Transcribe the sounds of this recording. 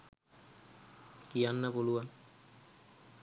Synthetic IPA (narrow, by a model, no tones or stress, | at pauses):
kianːapolua